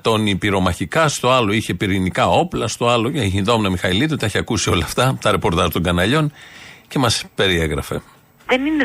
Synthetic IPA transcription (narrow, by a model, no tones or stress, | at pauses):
t̪o̞nipiɾo̞mɐçikɐst̪o̞ɐlo̞içe̞piɾinikɐo̞plɐst̪o̞ɐloçinðomnɐmixɐilit̪ut̪ɐeçiɐkusio̞lɐːft̪ɐt̪ɐɾe̞po̞ɾt̪ɐʒt̪o̞ŋɡɐnɐʎo̞nce̞mɐspe̞ɾieɣɾɐfe̞̰ | ðenine